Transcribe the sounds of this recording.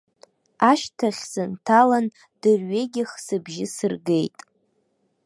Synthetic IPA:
aʃtʰaχʲsɨntʰalan | d̥ɨrɥeɡʲɪχsɨbʒɪsɨrɡe̞jtʼ

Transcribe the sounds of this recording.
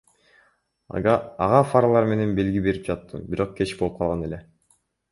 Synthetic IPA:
ɑ̰ʁɑfaɾlˠɑɾme̞ne̞nbe̞lɡʲibe̞ɾip̚d͡ʒɑt̪ːɯ̰biɾo̞q̚kʰe̞t͡ʃbolˠup̚qʰɑlˠʁɑne̞le

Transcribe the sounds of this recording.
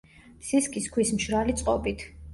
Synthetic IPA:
psiskʼiskʰwismʃɾalit̪sʼqʼɔbit̪ʰ

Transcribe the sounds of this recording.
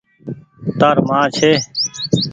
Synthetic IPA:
t̪aːɾmãːt͡ʃʰeː

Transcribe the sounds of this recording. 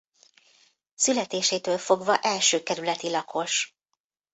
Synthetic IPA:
sylɛt̪eːʃeːt̪øːlfo̞ɡvɒʔɛlʃøːkɛɾylɛt̪ilɒkʰo̞ʃ

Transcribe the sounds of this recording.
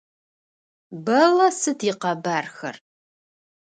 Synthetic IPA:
bɐlɐsɨtʰiːqɐbaːrxɐ̰r

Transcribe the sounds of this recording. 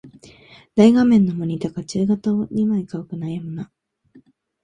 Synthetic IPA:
d̪̥aiɡamẽ̞nːomoɲ̟ʲit̪akat͡ɕɨːɡat̪aoɲʲimaikaokɯ̟najamɯna

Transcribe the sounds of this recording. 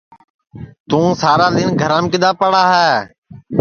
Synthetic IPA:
t̪ũːsaːɾaːɗ̪ɪnɡʱəɾãːmkɪd̪aːpəɽaːɦɛː

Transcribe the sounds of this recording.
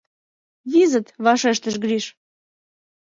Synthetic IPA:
βizət̪βɑʃeʃt̪əʃɡɾiʃ

